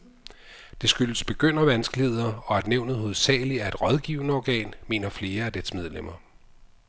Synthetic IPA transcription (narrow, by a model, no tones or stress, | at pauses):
d̥e̝sɡ̥yləsb̥e̝ɡ̥øn̰ɐʋænsɡ̥lihe̝ð̞̰ˠɐɒ̽æd̥neʊnð̩ˠho̝ð̞̩ˠsɛ̰ːɪliæɐe̝d̥ʁɒ̽ðˠɡ̥ḭʊnəɒɡ̥ɛ̰ːnme̝̰ːnɐfle̝ːɐæd̥edsmeð̞ˠlem̰ɐ